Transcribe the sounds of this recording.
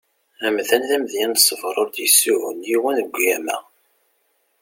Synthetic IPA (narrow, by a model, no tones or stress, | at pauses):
æmðænðæmðjænsˤːəvɾˤʊɾd̪jəsːuʕʊ̰njiwænəɡʷjæmæ̰